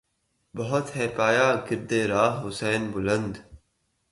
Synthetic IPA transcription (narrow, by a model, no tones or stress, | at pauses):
bɐɦʊt̪ɦɛːpaːjaːɡɪɾd̪eːɾaːɦɦʊsɛːnbʊlə̃nd̪